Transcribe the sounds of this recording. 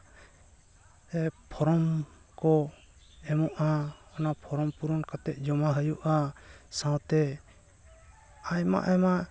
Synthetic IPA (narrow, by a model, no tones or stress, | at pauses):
ɛpʰɔɾɔm | kɔ | ɛmɔʔaɔnapʰɔɾɔmpuɾɔnkat̪ɛʔ̪̚ˀd͡ʒɔmaɦəjuʔasãwt̪ɛ | ajma̰ʔɛma